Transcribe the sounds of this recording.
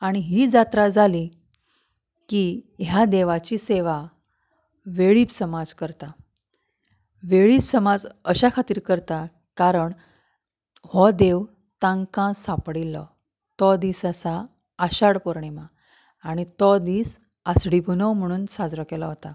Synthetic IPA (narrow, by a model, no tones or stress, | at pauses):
aɽ̃iɦiːd͡zat̪ɾad͡zʱali | kiɦjad̪eʋat͡ɕiseʋa | ʋeɭiːpsəmad͡zkəɾt̪a | ʋeɭiːpsəmad͡zəɕakʰat̪iːɾkəɾt̪a | kaɾəɳ | hɔd̪eʋ | t̪ãŋkãsapɽilːɔ | t̪ɔd̪iːsasaː | ɕaɽpoɾɳimaː | ɽ̃it̪ɔd̪iːs | asɽibʱunəwm̤əɽ̃uːnsad͡zɾəkelɔɦot̪a